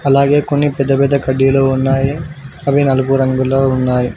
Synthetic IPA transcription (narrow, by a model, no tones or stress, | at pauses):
ɐlːaːɡeːkoɳːipɛd̪ːɐbɛd̪ɐkɐɖijɐlɐunːaːjeɐbʱinɐlkuɾɐŋɡɐlɐunːaːji